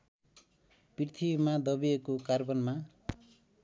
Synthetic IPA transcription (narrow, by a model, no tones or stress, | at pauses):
pirt̪ʰibmad̪ʌbiekokarbʌnma